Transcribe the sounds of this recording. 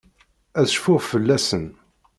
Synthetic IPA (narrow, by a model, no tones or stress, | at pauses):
æðʃfʊʁfəlːæsən